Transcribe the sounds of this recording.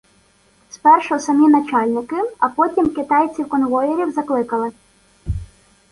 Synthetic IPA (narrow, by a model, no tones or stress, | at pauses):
spɛrʃɔɦɔsɐmʲinɐt͡ʃɑlʲnɪkɪɐpɔtʲimkɪt̪ɑjt͡sʲiwkɔnʋɔjeɾʲiwzɐklˠɪkɐlˠɪ